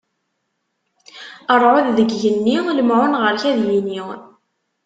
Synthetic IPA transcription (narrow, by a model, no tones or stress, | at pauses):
əɾˤʕʊððəɡjənːiləmʕʊnʁəɾçæðjini